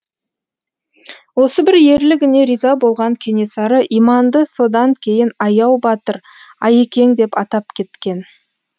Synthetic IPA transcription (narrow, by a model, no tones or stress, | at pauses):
wo̞səbɪɾje̞ɾlɪɡʲɪne̞ɾijzɑbo̞lˠʁɑŋkʲʰe̞ne̞sɑɾəʔimɑnd̪əso̞d̪ɑŋkʲʰe̞jɪnɑjɑwbɑt̪əɾ | ɑje̞kʲe̞ŋd̪e̞pɑt̪ɑpkʲʰe̞t̪kʲe̞n